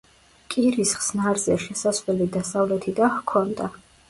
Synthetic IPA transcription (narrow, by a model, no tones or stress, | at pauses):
kʼiɾisχsnaɾzɛʃɛsasvlɛlid̪asavlɛt̪ʰid̪ahkʰɔnd̪a